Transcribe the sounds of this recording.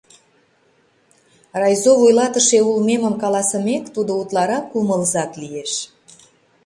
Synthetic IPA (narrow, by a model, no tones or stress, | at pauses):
rɑjzovujlɑt̪əʃeulmeməmkɑlɑsəmekt̪ud̪out̪lɑɾɑkːuməlzɑklijeʃ